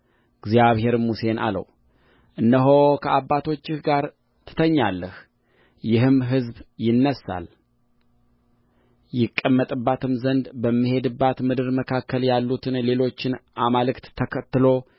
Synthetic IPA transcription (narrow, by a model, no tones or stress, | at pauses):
ɡzjaβhe̞ɾmuse̞nʔa̰lə̰w | ʔɨnːəɦo̞kʰəʔabːat̪ʰo̞t͡ʃːɪhɡaɾ | t̪ʰɨ̥t̪ʰəɲːalːəh | jɪɦɨmɦɨzbjɪnːəsːa̰l | jɪkʼːəmːət̪ʼɨbːat̪ʰɨmzənd̪bəmːihe̞d̪ɨbːat̪mɨd̪ɨɾməkʰakʰːəljalːut̪ʰɨnle̞lo̞t͡ʃːɪnʔamalɨkt̪ʰəkʰət̪ːɨlo̞